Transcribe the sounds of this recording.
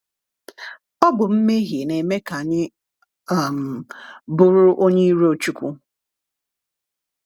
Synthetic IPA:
ɔ˦bʊ˨m̩˦me˦ɣi˨ne˨me˦ka˨ɲɪ˦ | a˨m̩˨bʊ˦ɾʊ˦ʔo˦ɲe˦i˦ɾe˦o˨t͡ʃu˦kʷu˦

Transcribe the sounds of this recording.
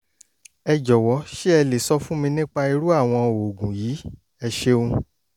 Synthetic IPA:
ɛ˧d͡ʒɔ˨wɔ˨˦ʃi˦ɛ˧le˨sɔ˧fũ˦mĩ˧nĩ˦k͡pa˧i˧ɾu˦a˦˨w̃ɔ̃˧o˨ɡũ˨jiː˨˦ | ɛ˧ʃe˧ũ˧

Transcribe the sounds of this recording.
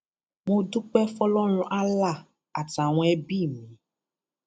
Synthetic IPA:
mõ˧du˦k͡pɛ˦fɔ˦lɔ˦ñũ˧ʔa˦la˦˨ | a˨ta˨w̃ɔ̃˧˦ɛ˦bi˦˨mĩ˨

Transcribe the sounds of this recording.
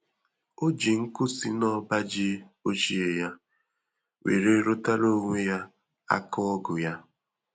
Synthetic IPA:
o˦d͡ʒi˨ŋ̩˦kʊ˦si˦nɔ˦ba˦d͡ʒi˦o˦t͡ʃi˦e˨ja˦ | wḛ˨ɾe˦ɾo˦ta˦ɾo˦ŋʷe˦ja˦ | a̰˦kɔ˦ɔ˦ɡʊ˨ja˦

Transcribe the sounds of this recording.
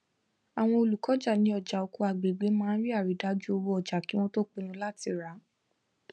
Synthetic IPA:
a˨w̃ɔ̃˧o˧˨lu˨kɔ˨˦d͡ʒa˦˨nĩ˧˦ɔ˨d͡ʒa˨o˧ko˧a˨ɡ͡be˨ɡ͡be˨˦mãː˦˧n̩˦ɾi˦a˦˨ɾi˨˦da˨˦d͡ʒu˦o˧wo˧˦ɔ˨d͡ʒa˨ki˨˦w̃ɔ̃˦to˦k͡pi˧nũ˧˦la˦ti˧˨ɾa˨˦

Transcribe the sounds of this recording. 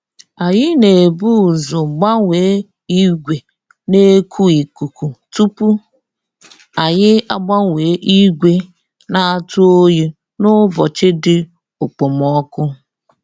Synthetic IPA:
a˨jɪ˦ne˨bu˦˨zʊ˨ɡ͡ba˦ŋʷe˨˦ | i˦ɡʷe˨ | ne˦kʰu˦i˨ku˨ku˨tu˦pu˦ | a˨ɲɪ˦a˦ɡ͡ba˦ŋʷe˨˦ʔi˦ɡʷe˦ | na˨a˦˨tu˦o˦je˦ | nʊ˦bɔ˨t͡ʃɪ˦dɪ˦ | ʊ˨k͡po˨m˨ɔ˦kʊ˦

